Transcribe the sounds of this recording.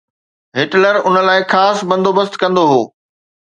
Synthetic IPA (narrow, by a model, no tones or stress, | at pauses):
ɦɪʈləɾʊnə̆laːɪxaːsbɐ̃nd̪obəst̪kɐ̃nd̪oɦoː